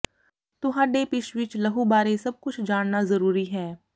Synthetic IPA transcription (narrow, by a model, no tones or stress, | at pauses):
t̪ʊɦãːɖepɪʃʋɪt͡ʃləɦubaːɾesɐb̚kʊt͡ʃʰd͡ʒaːnnazɐɾuːɾiɦɛː